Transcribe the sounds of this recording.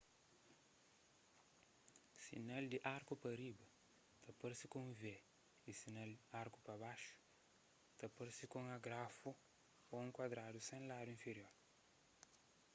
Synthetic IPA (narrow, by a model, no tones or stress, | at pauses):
sḭnald̪iʔaɾkupɐɾibɐ | t̪ɐpɐɾsikõŋvɛ | isinald̪iaɾku̥pɐbaʃu̥ | t̪ɐpɐɾsikõŋɐɡɾafu | oẽŋkwad̪ɾad̪usẽŋlad̪uĩnfeɾioɾ